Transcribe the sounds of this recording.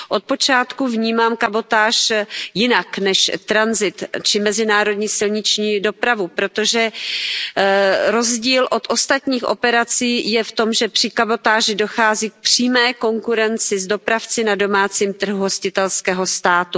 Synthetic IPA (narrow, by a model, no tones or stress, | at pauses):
ʔo̞t̪̚po̞t͡ʃaːt̪kuvɲiːmaːmkabo̞t̪aːʃjɪnaknɛʃt̪ɾanzɪt̪t͡ʃɪmɛzɪnaːɾo̞dɲiːsɪlɲɪt͡ʃɲiːdo̞pɾavupɾo̞t̪o̞ʒɛ | ɾo̞zɟiːlʔo̞t̪ʔo̞st̪at̪ɲiːxʔo̞̰pɛɾat͡siːjɛft̪o̞mʒɛpr̝̥ɪkabo̞t̪aːʒɪdoxaːziːk̚pr̝̥iːmɛːko̞ŋkuɾɛnt͡sɪzdo̞pɾaft͡sɪnado̞maːt͡siːmt̪r̩ɦuɦo̞scɪt̪ɛlskɛːɦo̞st̪aːt̪u